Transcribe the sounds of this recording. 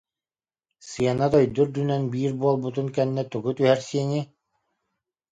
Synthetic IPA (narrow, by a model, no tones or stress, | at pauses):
sɯjanat̪œjd̪yɾd̪ynœnbiːɾbuɔlˠbut̪unkɛnːɛt̪uɡut̪yhæɾsiɛni